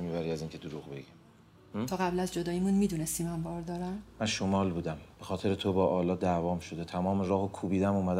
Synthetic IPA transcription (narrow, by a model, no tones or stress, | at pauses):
miːbæɾiːæziːŋcʰe̞d̪oɾuːɣbe̞̰ɡi | t̪ʰɒːɣæblæzd͡ʒod̪ɒːjimunmiːd̪unest̪imæmbɒːɾd̪ɒːɾæmmænʃomɒːlbuːd̪æmb̥exɒːt̪ʰe̞ɾet̪ʰobɒːʔɒːlɒːd̪ævɒːmʃod̪et̪ʰæmɒːmeɾɒːhokʰuːbiːd̪æmuːmæd̪